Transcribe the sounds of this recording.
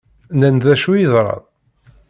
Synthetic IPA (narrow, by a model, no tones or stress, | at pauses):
nənðæʃujiðɾˤɑ̰ðˤ